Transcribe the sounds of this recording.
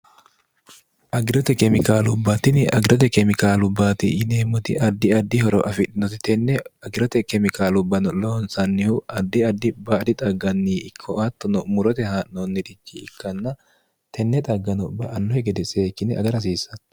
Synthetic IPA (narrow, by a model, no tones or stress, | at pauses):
ʔɐɡɪɾɔt̪ɛkɛmɪkaːlʊbːat̪ɪnɪɐɡɪɾɔt̪ɛkɛmɪkaːlʊbːaːt̪ɪʔɪneːmːʊt̪ɪ̰ʔɐd̪ːɪɐd̪ːɪhɔɾɔʔɐfɪᶑɪnɔt̪ɛt̪ɛnːɛɐɡɪɾɔt̪ɛkɛmɪkaːlʊbːɐnɔloːnsɐnːɪhʊʔɐd̪ːɪɐd̪ːɪbaːd̪ɪt̪ʼɐɡːɐnːiːɪkʰːɔʔɐt̪ːɔnɔmʊɾɔt̪ɛhaʔnonːɪd̪ɪt͡ʃːiɪkːɐnːɐ | t̪ʰɛnːɛt̪ʼɐɡːɐnɔbɐʔɐnːɔhɛɡɛd̪ɛseːkːɪnɛɐ̰ɡɐɾɐs̬iːsɐn